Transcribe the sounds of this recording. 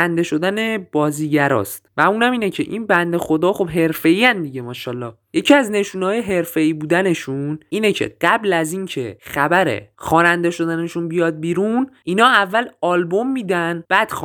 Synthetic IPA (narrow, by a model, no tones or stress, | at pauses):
ænd̪e̞ʃo̞d̪æne̞b̥ɒːziːɟæɾɒ̰ːst̪væuːnæmiːnecʰe̞̰ʔinbænd̪e̞xo̞d̪ɒːxo̞bɦe̞ɾfe̞iːænd̪iɟe̞mɒːʃɒːlɒː | je̞cʰiæzne̞ʃuːnhɒːjeɦe̞ɾfe̞iːbuːd̪æne̞ʃuniːnecʰe̞̰ɢ̥æblæzincʰe̞̰xæbæɾe̞̰xɒːnænd̪e̞ʃo̞d̪æneʃunbijɒd̪̚biːɾuninɒːævːælɒːlbo̞mːiːd̪ænb̥æd̪̥x